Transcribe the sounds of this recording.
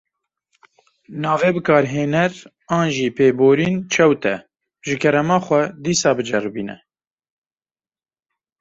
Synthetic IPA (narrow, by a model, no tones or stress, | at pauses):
nɑːveːbɨkɑːɾɦeːnɛɾ | ɑːnʒiːpeːboːɾiːnt͡ʃʰɛwt̪ɛ | ʒɨkʰɛɾɛmɑːxʷɛd̪iːsɑːbɨd͡ʒɛrbiːnɛ̰